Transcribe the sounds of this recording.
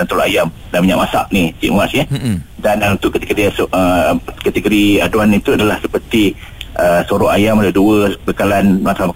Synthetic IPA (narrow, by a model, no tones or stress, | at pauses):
ant̪uloʔajam | damiɲãʔmasa̰ʔnit͡ʃḭʔŋuaʔsjədanunt̪ʊʔkət̪ə̥kədiasəkat̪əɡoɾiaduanit̪uadalahsəpərt̪i | ʔəsoɾɔʔajamaləduəbəkalanlakalam